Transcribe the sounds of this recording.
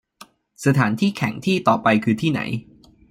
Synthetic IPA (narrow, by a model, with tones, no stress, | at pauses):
sa˧t̪ʰaː˩˦nt̪ʰiː˥˩kʰɛ˨˩˦ŋt̪ʰiː˥˩t̪ɔː˨˩pa˧jkʰɯː˧t̪ʰiː˥˩na̰˩˦j